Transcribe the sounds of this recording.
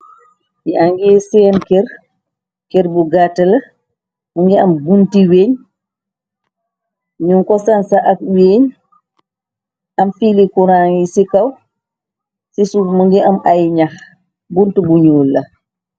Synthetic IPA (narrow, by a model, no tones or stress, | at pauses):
miaŋɡɛːsɛːnkɛɾ | kɛɾbuɡatala | muŋɡɛambuntiweɲ | ɲuŋkɔsansaʔak̚weɲ | ʔamfilikuɾaŋisikaw | sisumuŋɡɛamʔajɲax | buntubuɲuːlːa